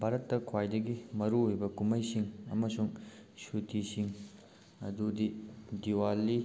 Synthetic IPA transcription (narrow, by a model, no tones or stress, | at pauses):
bʱaɾɐtːɐkʰwajdɐɡimɐɾuijbɐkumɐjsiŋɐ̰mɐsuŋsutʰisiŋ | ɐ̰dudidiwalːi